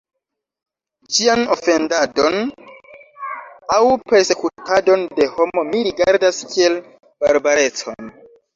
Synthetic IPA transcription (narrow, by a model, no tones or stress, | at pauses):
d͡ʒiano̞fe̞ndado̞n | awpe̞ɾse̞kutado̞nde̞ho̞mo̞miɾiɡaɾdaskʰie̞l | b̥aɾbaɾe̞t͡so̞̰n